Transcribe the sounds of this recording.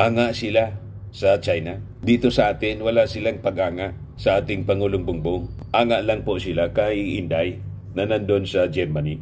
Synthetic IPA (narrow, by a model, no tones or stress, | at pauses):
ʔaːŋaʔsɪla | sɐt͡ʃajna | d̪iːt̪osɐʔaːt̪ɪnwɐlaʔsɪlaŋpɐɡʔaːŋaʔ | sɐʔaːt̪ɪŋpɐŋuːlʊŋbʊŋbʊŋ | ʔaːŋaʔlaŋpoʔsɪlakajiʔɪnd̪aj | nɐnand̪onsɐd͡ʒɛɾmani